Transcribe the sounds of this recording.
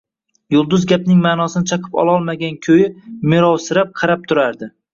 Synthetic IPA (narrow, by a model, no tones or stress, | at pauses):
jʊlˠd̪ʊzɡʲap̚nɪŋmaːnɒsɪnɪt͡ʃʰɑqʰɨ̥pɒ̰lˠɒlˠmaɡʲankʲʰojɪmɪɾɒwsɪɾap̚qʰɑɾap̚t̪ʰʊɾaɾd̪ɪ